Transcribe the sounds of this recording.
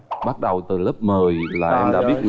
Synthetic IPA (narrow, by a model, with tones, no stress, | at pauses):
ɓa˦˥t̚ɗə˨˩wt̪ɨ˨˩ləː˦˥p̚məː˨˩jlaː˨˩ʔɛ˧mɗa̰ː˧˥ɓi˦˥ət̚